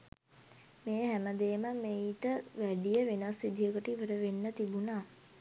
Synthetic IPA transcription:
meːɦæməd̪eːməmeiʈəʋæɖijəʋenasid̪ʱijəkəʈiiʋəɾəʋenːət̪ibunaː

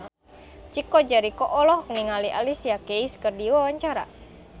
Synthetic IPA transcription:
t͡ʃikɔd͡ʒaɾikɔʔɔlɔhkniŋaliʔa̰lisiakeiskərdiwawaɲt͡ʃaɾa̰

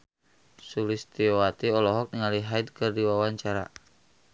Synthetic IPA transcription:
sulist̪iɔwat̪iɔlɔɦɔk̚niŋaliɦaid̪̚kɨrdiwawaɲt͡ʃaɾa̰

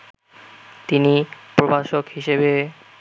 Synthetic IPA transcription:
t̪inipɾobʱaʃokɦhiʃebe

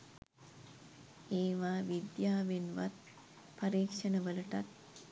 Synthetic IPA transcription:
eːʋaːʋid̪jaːʋenʋa̰t̪̚ | paɾiːkʂənəʋələʈat̪̚

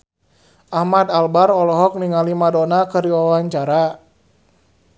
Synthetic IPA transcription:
ʔahmad̪albarɔlɔɦɔk̚niŋalimadonakəɾiwawaɲt͡ʃaɾa

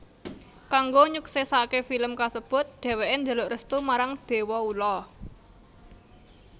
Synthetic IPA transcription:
kaŋɡoɲuksɛsakefiləmkasəb̥ʊ̤t̪̚d̪̥e̤weʔend̪ə̤lʊʔrəst̪umaɾaŋd̪̥e̤wɔulɔ

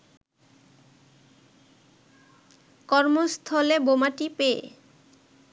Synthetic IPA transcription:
kɔɾmost̪ʰɔlebomaʈipḛ

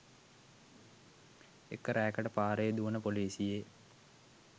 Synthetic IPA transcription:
ḛkːəɾæːkəʈəpaːɾejed̪uʋənəpoliːsije

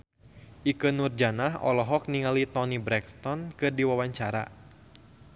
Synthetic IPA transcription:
ʔikɨnurd͡ʒanahɔ̰lɔɦɔk̚niŋalit̪ɔnibɾɛkst̪ɔnkɨrdiwawaɲt͡ʃaɾa̰

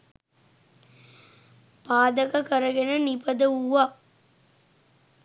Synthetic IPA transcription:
paːd̪ɐkɐkɐɾɐɡenənipɐd̪əuʋaː

